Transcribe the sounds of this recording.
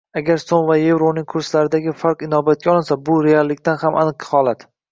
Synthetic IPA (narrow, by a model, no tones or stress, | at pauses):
aɡʲaɾsomvaje̞vɾonɪŋkʰʊɾslaɾɪd̪aɡʲɪfaɾqɪnɒbat̪̚kʲaɒlˠɪnsabʊɾe̞alˠːɪkʲt̪anhamʔa̰nɨqhɒlˠat̪